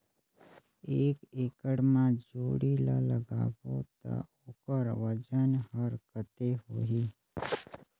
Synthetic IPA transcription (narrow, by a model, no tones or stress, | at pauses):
eːkekəɽmãd͡ʒoːɽila̰ləɡaːbot̪a̰ | ʊkəɾʋəd͡ʒənɦəɾkət̪eɦoːɦi